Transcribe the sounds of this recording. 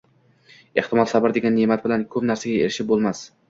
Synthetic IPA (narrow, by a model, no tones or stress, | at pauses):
eht̪ɪmɒlˠsabɪɾd̪e̞ɡʲanːemat̪̚bɪlankʰɵpnaɾsaɡʲaeɾɪʃɪp̚bolˠmas